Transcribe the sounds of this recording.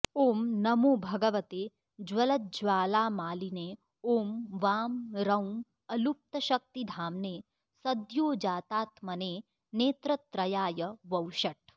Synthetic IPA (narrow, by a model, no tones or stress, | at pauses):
oːmnɐmoːbʱɐɡɐʋɐt̪eː | d͡ʒʋɐlɐd͡ʒʋaːlaːmaːlineː | oːmʋaːmɾɐwm | ɐlup̚t̪ɐʃɐk̚t̪id̪ʱaːmneː | sɐd̪joːd͡ʒaːt̪aːt̪mɐneː | neːt̪ɾɐt̪ɾɐjaːjɐʋɐwʃɐʈ